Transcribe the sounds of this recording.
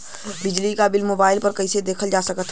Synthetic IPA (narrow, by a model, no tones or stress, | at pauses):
bɪd͡ʒlikabɪlmoːbaːɪlpəɾkəɪsed̪eːkʰəld͡ʒaːsəkət̪ʰ